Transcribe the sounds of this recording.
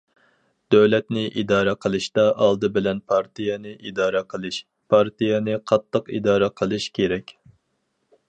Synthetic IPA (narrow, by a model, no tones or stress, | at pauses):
d̪̥øwlɛt̪nɪʔid̪ɑːɾɛqʰəlˠɨʃt̪ɑʔɑlˠd̪ɨbɪlɛnpʰɑɾt̪ʰijɛnɨʔid̪ɑːɾɛqʰəlˠɨʃ | pʰɑɾt̪ijɛnɨqʰɑt̪ːəqḭd̪ɑːɾɛqʰəlˠɨʃkʲʰeɾɛkʲ